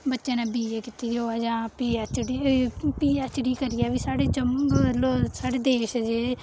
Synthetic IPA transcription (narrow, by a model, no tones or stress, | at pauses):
bətːʃẽːnɛ̃ːbiːd͡ʒeːkɪt̪iːd͡ʒ̪oːaːd͡ʒãːpiaːt͡ʃɽipiːaːt͡ʃɽiːkəɾɪjaːbiːsaːɽeːt͡ʃəmɡloːsaːɽeːd̪eːʃd͡ʒeː